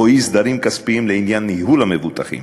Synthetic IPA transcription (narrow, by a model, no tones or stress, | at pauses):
ojisd̪aɾimkaspiimleinjanːiɦulhamevut̪aχḭm